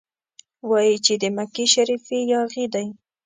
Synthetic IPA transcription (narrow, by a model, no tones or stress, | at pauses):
wajit͡ʃɪd̪ɪmakɪʃaɾifijɑɣɪd̪aj